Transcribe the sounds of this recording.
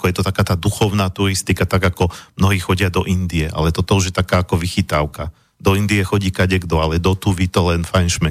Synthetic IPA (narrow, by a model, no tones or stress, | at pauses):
akɔjɛt̪ɔt̪akaːt̪aːd̪uxɔʊnaːt̪uɾist̪ikat̪aɡakɔmnɔɦiːxɔɟɪad̪ɔʔind̪iɛʔa̰lɛt̪ɔt̪ɔuʒjɛt̪akaːakɔʋixit̪aʊka | d̪ɔind̪iɛxɔɟiːkaɟɛɡd̪ɔalɛd̪ɔt̪uʋit̪ɔlɛnfajnʃmɛ